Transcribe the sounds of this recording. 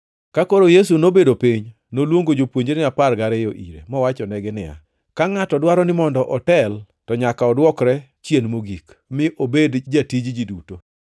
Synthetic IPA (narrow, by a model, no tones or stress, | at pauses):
kakoɾojes̬unobedopiɲ | nolwoŋɡod͡ʒopwoɲd͡ʒenɪaparɡaɾɛjoʔḭɾḛmɔwat͡ʃɔnɛɡɪnɪja̰ | kaŋatɔdwaɾɔnɪmɔndɔʔɔtɛl | tɔɲakaɔdwɔkɾɛ | t͡ʃjenmoɡik | mɪʔobedd͡ʒatid͡ʒd͡ʒiduto